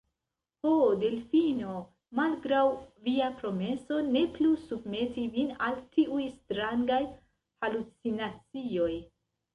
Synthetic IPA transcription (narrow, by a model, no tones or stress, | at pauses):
hode̞lfino̞ | malɡɾawviapɾo̞me̞so̞ne̞plusub̚me̞tivinaltiʔujstɾaŋɡaj | halut͡sinat͡sio̞j